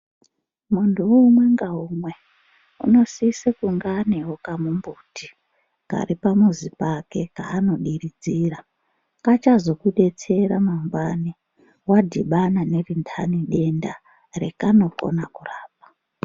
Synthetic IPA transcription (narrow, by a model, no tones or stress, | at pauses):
muntʰuuːmwe̞ŋɡaɦumwe̞ | ṵno̞siːsekuŋɡaneɦokamumbutʰi | ka̰ripamuzipake̞kaːno̞ɗiɾid͡ziːra | kat͡ʃazo̞kuɗe̞t͡se̞ɾamambwani | wadʱiɓanane̞rintʰaniɗe̞nda | rekano̞ko̞̰nakuraːp̚ḁ